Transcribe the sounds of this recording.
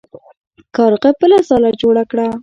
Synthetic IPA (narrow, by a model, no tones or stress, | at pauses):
kɑɾqəpəlasɑlad͡ʒoɽakɽa